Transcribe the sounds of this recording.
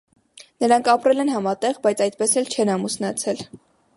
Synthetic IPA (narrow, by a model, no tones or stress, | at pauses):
nəɾɑŋkʰɑpɾɛlɛnɦɑmɑt̪ɛʁbɑjt͡sʰɑjt̪̚pɛsɛlt͡ʃʰɛnɑmusnɑt͡sʰɛl